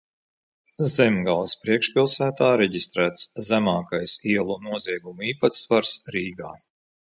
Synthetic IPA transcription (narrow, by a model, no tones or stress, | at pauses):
zɛmɡalˠspɾiɛkʃpilˠsæːt̪aːɾɛɟist̪ɾæːt̪szæmaːkajsiɛlˠunuɔziɛɡumuiːpat̪svaɾsɾiːɡaː